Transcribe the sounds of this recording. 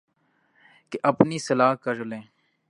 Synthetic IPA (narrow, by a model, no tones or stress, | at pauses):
keʔəpniːsəlaːkəɾlẽː